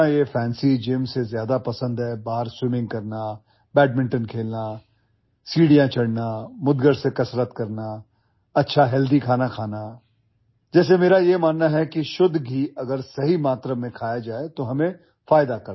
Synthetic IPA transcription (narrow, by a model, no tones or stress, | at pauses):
ãjefʰɛːnsid͡ʒeːmsezjaːd̪apɐsə̃nd̪ɦɛːbaːɦəɾswɪmɪ̃ŋɡ̚kɐɾna | bɛːʈ̚mɪ̃ɳʈənkʰeːlna | siːɽijãt͡ʃʰɐɽnamʊd̪ɡəɽsekɐsɾət̪kɐɾna | ɐtːʃʰaɦɛːld̪ikʰaːnakʰaːna | d͡ʒɛːs̬emeːɾajemaːnːaɦɛkiʃʊd̪ɡiɐɡəɾsɐɦimaːt̪ɾamẽkʰaːjad͡ʒaːet̪oɦɐmẽ | faːjd̪akɐɾ